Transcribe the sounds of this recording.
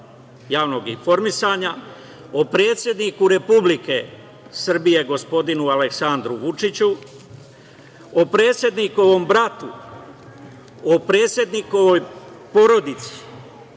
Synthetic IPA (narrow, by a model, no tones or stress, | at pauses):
jaːʋno̞ɡinfo̞ɾmisaɲa | opɾe̞ːt̪sje̞d̪nikuɾe̞publike̞ | sr̩bije̞ɡo̞spo̞d̪inuale̞ksand̪ɾuʋut͡ʂit͡ɕu | opɾe̞ːt̪sje̞d̪nikoʋo̞mbɾat̪u | opɾe̞ːt̪sje̞d̪nikoʋoj | po̞ɾo̞d̪it̪si̥